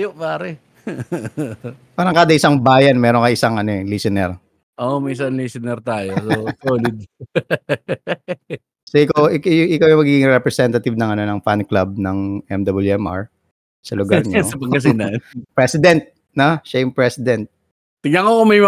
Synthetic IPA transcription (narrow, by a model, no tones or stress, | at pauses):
joʔpaːɾɛ | paːɾɐŋkaːd̪ɐʔɪsaŋbaːjɐnmɛːɾoŋkɐʔɪsaŋʔɐnoɛlisɪnɛɾ | ʔomiɪsɐnlisɪnɛɾt̪aːjossoːlɪd̪̚ | soʔɪkɐwʔɪkajʔɪkawjɐŋmɐɡiɡɪŋɾɛpɾɛsɛnt̪ɐt̪ɪvnɐŋɐnonɐŋfanklab̚nɐŋʔɛmd̪ɐbɐljuɛmʔa̰ɹ | sɐlʊɡaɾɲɐbɐkɐs̬inɐpɹɛsɪd̪ɛnt̪̚ | noʃajʊŋpɹɛsɪd̪ɛnt̪̚ | t̪ɪɡ̪ɐŋkokʊmɐjm